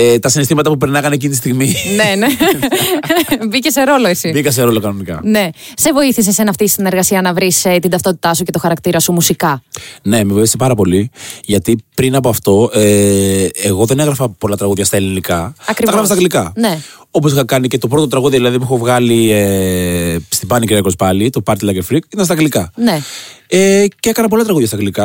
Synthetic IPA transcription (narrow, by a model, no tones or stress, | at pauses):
et̪ɐsinist̪imɐt̪ɐpupeɾnɐɣɐnecinit̪ist̪iɣminene | bicese̞ɾo̞lo̞esibikɐs̬e̞ɾo̞lo̞kɐnonikɐ̰ne̞ | se̞vo̞iθis̬e̞senɐft̪isine̞ɾɣɐsiɐnɐvɾist̪ind̪ɐft̪o̞t̪i̥t̪ɐsuce̞t̪o̞xɐɾɐkt̪iɾɐsumusikɐne̞mevoiθisepɐɾɐpo̞liʝɐt̪ipɾinɐpoɐft̪o̞e | eɣo̞ðe̞neɣɾɐfɐpo̞lɐt̪ɾɐɣuðʝɐst̪ɐelinikɐɐkɾiɐɣɾɐfɐsɐɣlikɐne | o̞p̬osixɐkɐnice̞t̪o̞p̬ɾo̞t̪ot̪ɾɐɣuðiɐðilɐðip̬uexovɣɐlie | st̪ibɐniciɾiɐkospɐlit̪opɐɾt̪ilɐcefɾikit̪ɐnst̪ɐɣɡlikɐneeceekɐnɐpo̞lɐt̪ɾɐɣuðʝɐst̪ɐɣlikɐ